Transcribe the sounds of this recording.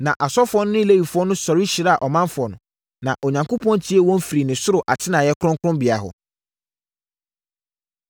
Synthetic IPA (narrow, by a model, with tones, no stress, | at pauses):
nã˨ʔa˨sɔ˦fʊ˨ɔ˦nʊ̃˦nɪ̃˦i˦le˦wi˨fʊ˨˦ɔ˦nʊ̃˦sɔ˨ɾi˦ɕi˨ɾa˦a˨ʔɔ˨mã˦nfʊ˨ɔ˨nʊ̃˨ | nã˨ʔo˨ɲã˨ŋkʰo˦pʰɔ̃˦nt͡ɕʰi˦ɛ˦wɔ̃˦mfi˨ɾi˨nɪ̃˨sʊ˦ɾʊ˨ʔa̰˨tʰɪ˦nã˨jɛ˦kʰʊ˦ʊ̃˦ŋkʰɾʊ̃˦mbɪ˨a˨ɦʊ̰˨